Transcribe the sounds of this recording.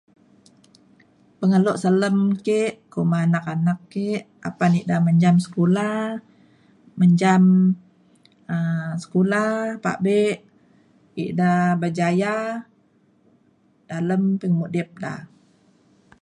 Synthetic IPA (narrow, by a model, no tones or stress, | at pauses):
pəŋəloʔsələmkeʔkomanakanakːeʔ | apaniʔdaməɲd͡ʒamsə̥kulah | məɲd͡ʒam | əsə̥kulapa̰ʔbeʔ | ḭʔdabad͡ʒaja | daləmpiŋmudip̚da̰